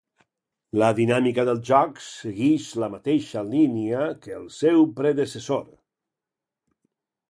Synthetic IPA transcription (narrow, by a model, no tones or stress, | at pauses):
ləðinamikəðəlˠʒɔksəɣiʃləmat̪eʃəliniəkəːlˠsɛwpɾəðəsəsoɾ